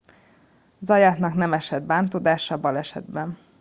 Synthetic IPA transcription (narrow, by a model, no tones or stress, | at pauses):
zɒjaːt̪nɒknɛmɛʃɛd̪baːnt̪oːd̪aːʃɒbɒlɛʃɛ̰d̪bɛn